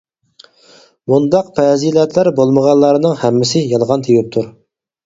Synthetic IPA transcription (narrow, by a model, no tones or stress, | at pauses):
mund̪ɑq̚pʰɛzilɛt̪ʰlæɾbolˠməʁɑnlˠɑɾnɨŋhɛmːɪsɪjɑlˠʁɑnt̪ʰewɪp̚t̪ʰuɾ